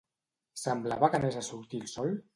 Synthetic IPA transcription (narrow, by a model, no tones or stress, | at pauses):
səmblaβəkəmezasuɾt̪ilˠsɔlˠ